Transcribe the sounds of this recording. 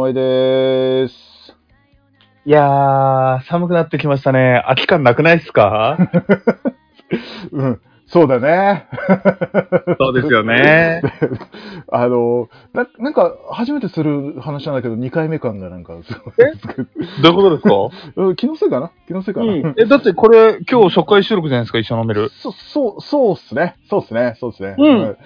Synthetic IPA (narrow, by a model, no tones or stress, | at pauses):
maid̪e | s | ia | samɯ̟k̬ɯ̟nat̪ːe̞k̬ʲimaɕ̬i̥t̪ane̞akʲi̥kãnːakɯ̟naisɨ̥ka | ɯ̟̃ː | so̞ːd̪ane̞ | soːd̪eɨjoned̪e | ano̞ | nãnãŋkahaʑime̞t̪e̞sɨɾɯ̟hanaɕinãnd̪aked̪oɲ̟ikaime̞kãŋɡanãŋkasɨneskd̪oikot̪od̪eskaɯ̟̃kʲinosekanakʲinosekañãed̪at̪ːe̞ko̞ɾe̞kʲo̞ːɕo̞kːaiɕɨːɾo̞kɯ̟d͡ʑanaesɨ̥kait͡ɕːonome̞ɾɯ̟sosoːsoːsɨne̞so̞ːd̪esɨne̞soːd̪esɨne̞ɯ̃ɯ̟̃